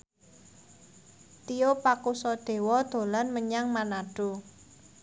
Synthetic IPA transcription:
t̪ijopakusɔd̪̥e̤wɔd̪̥o̤lanməɲaŋmanaɖ̥o̤

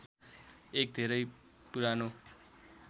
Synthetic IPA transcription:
ek̚d̪ʱeɾʌjpuɾano

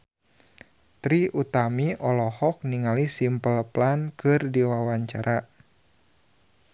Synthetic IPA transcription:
t̪ɾiʔut̪amiʔɔlɔhɔk̚niŋalisimpəlplankɨrdiwawaɲt͡ʃa̰ɾʔa

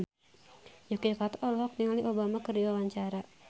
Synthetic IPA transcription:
jɔkekat̪ɔʔɔlɔɦak̚niŋaliʔobamakərdiwawaɲt͡ʃaɾa

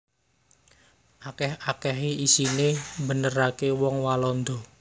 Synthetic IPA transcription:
ʔakɛhakɛɦeisinembənərakewɔŋwalɔnd̪ɔ̤

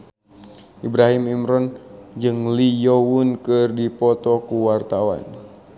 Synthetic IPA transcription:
ʔibɾaɦimimɾɔnd͡ʒɨŋlijɔwunkɨrdipɔt̪ɔkuwart̪awa̰n

